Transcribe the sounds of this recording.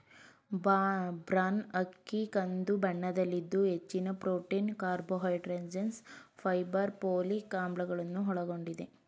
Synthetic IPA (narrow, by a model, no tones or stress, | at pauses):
bɾaːnɐkːikɐnd̪ubɐɳːɐd̪ɐlːid̪ːuɦet͡ʃːinɐpɾoːʈiːnkaːɾboɦɐjʈɾeɲd͡ʒɐnspʰɐjbɐɾpoːlikaːmbɭɐɡɐɭɐnːuɦɔɭɐɡo̞ɳɖid̪e